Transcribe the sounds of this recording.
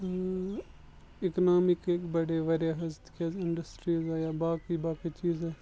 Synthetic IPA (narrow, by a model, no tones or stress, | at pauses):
ɪknaːmɪkekbɐɽeʋɐɾeɦɐzt̪keːzɪɳɖəsʈɾiːzɛːjaːbaːkibaːkit͡ʃiːzɛː